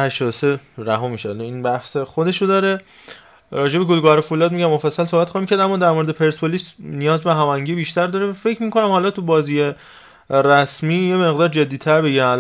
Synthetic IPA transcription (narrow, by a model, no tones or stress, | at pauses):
hæʃt̪ɒːd̪oseɾæɦɒːmiːʃeæliːnbæhsexod̪e̞ʃod̪ɒːɾe̞ | ɾɒːd͡ʒebe̞ɡolɡɒɾefulɒːd̪miːɟæmːofæsːælsohbæt̪xɑːhimcʰæɾd̪æmːɒːd̪æɾmoɾed̪epʰe̞ɾspʰolisnijɒːzbeɦæmæŋɟiːbiːʃt̪æɾd̪ɒːɾevæfe̞cʰmiːkʰonæmhɒːlɒt̪ʰubɒːziːje | ɾæsmiːjeme̞ɣd̪ɒːɾd͡ʒe̞d̪ːiːt̪ʰæɾbeɟiɾæmæl